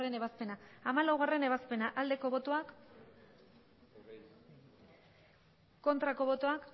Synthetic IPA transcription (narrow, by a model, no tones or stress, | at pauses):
re̞neβaspe̞naːmalawɣ̞are̞ne̞β̞aspe̞naʔald̪e̞ko̞βo̞t̪o̞ak | o̞nt̪ɾako̞β̞o̞t̪o̞ak